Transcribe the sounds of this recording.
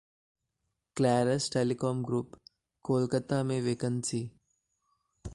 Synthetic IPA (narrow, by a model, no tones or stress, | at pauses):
klæːɾesʈeːlikɔːmɡɾuːp | koːlkət̪amẽʋekənsiː